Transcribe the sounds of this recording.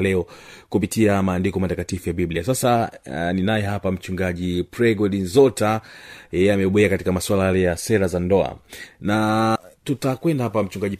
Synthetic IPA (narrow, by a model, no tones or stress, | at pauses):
lɛɔkupitiamaːndikɔmatakatifujaɓibliasasaninajɛɦapam̩t͡ʃuŋɡaʄipɾɛɡɔɗinzɔtajɛjɛamɛɓɔɛakatikamaswalajalɛjasɛɾazandɔa̰natutakwɛndahapam̩t͡ʃuŋɡaʄi